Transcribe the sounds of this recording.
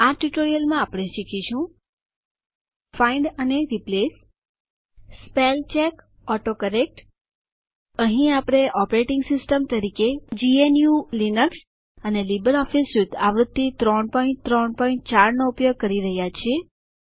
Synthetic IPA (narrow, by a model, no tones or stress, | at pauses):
aʈuʈoɾijəlmãapɽ̃ẽʃikʰiʃũ | faiɳɖəneɾiples | pelt͡ʃek | ɔʈokəɾek̚ʈ | əɦĩapɽ̃eʔɔpɾeʈɪ̃ŋɡsɪsʈəmt̪əɾiked͡ʒienjulinəks | ənelibəɾɔfisjud̪aʋɾʊd̪̚t̪ːit̪ɾɔɳpɔĩɳt̪ɾɔɳpɔĩɳʈ̚t͡ʃaɾnoupjoɡ̚kəɾiɾəɦjat͡ʃʰie